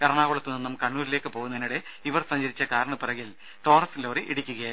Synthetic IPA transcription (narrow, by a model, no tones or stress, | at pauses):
kɐɾɐɳaːʋuɭɐt̪ːɨninːumkɐɳːuːɾile̞ːkːɨpo̞ːɣunɐinːiɽe | iʋɐrsɐɲd͡ʑɐɾit͡ɕːɐkaːɾɐɳɐpirɐɣil | ʈo̞ːrɐsinloːriʔiɽikʲːuɣɐja